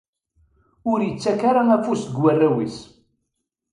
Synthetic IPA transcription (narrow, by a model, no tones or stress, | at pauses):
ʊɾjət͡sːækaɾˤaæfusɡwærːæwis